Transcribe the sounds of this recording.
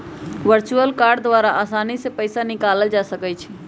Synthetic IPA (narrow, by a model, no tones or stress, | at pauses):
ʋəɾt͡ʃuəlkaɾɖd̪ʋaɾaʔaːsanisepəɪsanikaləld͡ʒasəkət͡ʃʰi